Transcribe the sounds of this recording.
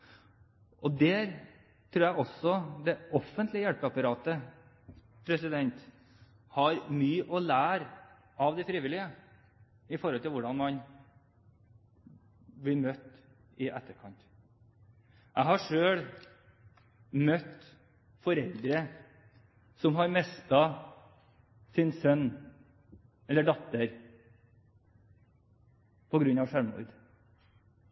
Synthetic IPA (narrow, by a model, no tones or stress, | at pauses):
ʔɔd̪ɛɾ | t̪ʰɾuːɾjæɡɔsɔd̪ɛɔfːənt̪lɪəjælpəɑpɑɾɑːt̪ə | pʰɾɛsɪd̪ɛnt̪ | hɑɾmyːʔɔlæːɾ | ɑʋd̪ɛfɾiːʋɪlɪə | ɪfɔɾhɔlt̪ʰɪlʋʊɖɑnmɑn | ʋɪlmœt̪ː | ɪʔɛt̪ːəɾkʰɑnt̪ | ʔæɪhɑʂøːɽ | mœt̪ | fɔɾɛld̪ɾə | sɔmɦɑɾmɛst̪ɑ | sɪnsœnː | ɛləɖɔt̪əɾ | pʰɔɡɾʉnːɑʋʂæɾmʊ̰ɾd̪